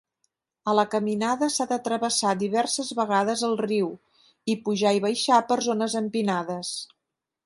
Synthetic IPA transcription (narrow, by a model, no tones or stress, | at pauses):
ələkəminaðəsaðət̪ɾəβəsad̪iβɛrsəzβəɣaðəzəlˠriw | ipuʒaiβəjʃapəɾzonəzəmpinaðəs